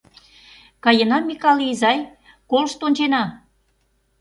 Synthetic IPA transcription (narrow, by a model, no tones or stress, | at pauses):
kɑjənɑmʲikɑliːzɑj | kolʃt̪onʲt͡ɕenɑ